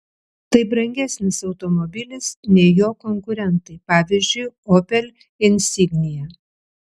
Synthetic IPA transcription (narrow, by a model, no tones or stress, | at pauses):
t̪ɐɪbɾɐŋʲɡʲɛsʲnʲɪsɒʊt̪omɔbʲɪlʲɪsnʲɛɪjoːkɔŋkʊɾʲɛnt̪ɐɪpɑːʋʲɪːzʲd͡ʒʲʊɪoːpʲɛlʲ | ɪnʲsʲɪɡnʲɪjɛ